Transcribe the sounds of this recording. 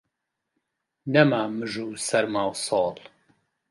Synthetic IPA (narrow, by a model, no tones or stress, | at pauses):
nɐmaːmɨʒuːsɐɾmaːwsɑːl